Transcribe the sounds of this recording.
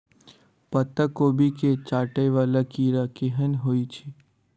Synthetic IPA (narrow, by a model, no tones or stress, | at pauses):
pɐt̪əkoːbʱiket͡ʃaːʈeʋaːlakiːɾakiɦənɦoːit͡ʃʰi